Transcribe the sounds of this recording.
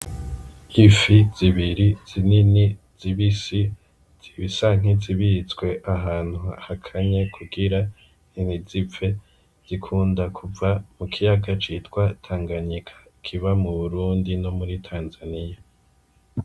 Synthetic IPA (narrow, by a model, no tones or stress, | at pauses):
ifiz̥iβiɾiz̥inini | z̥iβisi | z̥iβisaŋ̥iziβit͡swe̞ʔaɦaːn̥huahakʰaɲakʰuɡiɾa | ninizipp͡fe̞ | z̥ikʰuːndakʰuvamukʰijaɡat͡ʃitkwatʰaːŋɡaɲikʰḁkʰiβamuβuɾuːndino̞muɾitʰaːnzanija